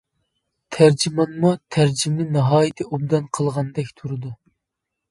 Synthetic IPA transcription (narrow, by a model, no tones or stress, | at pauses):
t̪ʰæɾd͡ʒimɑnmut̪ʰæɾd͡ʒimnɨnɨɦɑːjɪt̪ʰɨubd̪ɑnqʰəlˠʁɑnd̪ɛkʲt̪ʰuɾɨd̪u